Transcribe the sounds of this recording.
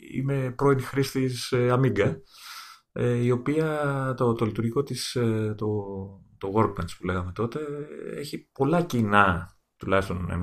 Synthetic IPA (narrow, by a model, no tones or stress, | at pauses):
ḭme̞pɾo̞inixɾist̪iseɐmiɡɐ | eio̞piɐt̪ot̪o̞lit̪uɾʝiko̞t̪ist̪ot̪o̞ɣo̞ɾɡ̚mɐnspule̞ɣɐme̞t̪o̞t̪e̞ḛçipo̞lɐcinɐ | t̪ulɐçist̪o̞nḛ